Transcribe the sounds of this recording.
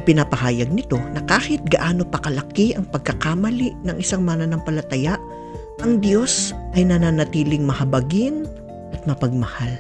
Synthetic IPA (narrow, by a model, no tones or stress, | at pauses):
pɪnapɐhaːjɐɡ̚nɪt̪o̞nɐkaːhɪt̪̚ɡɐʔaːno̞pɐkɐlɐkiʔɐŋpɐɡ̚kɐkamɐliʔnɐŋʔɪsaŋmananɐŋpɐlɐt̪ɐjaʔ | ʔɐŋd̪jo̞sʔɐjnɐnanɐt̪iːlɪŋmɐhɐbɐɡɪn | ʔɐt̪̚mɐpɐɡ̚mɐhal